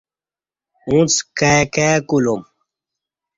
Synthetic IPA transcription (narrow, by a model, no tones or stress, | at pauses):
ũt͡skakekulum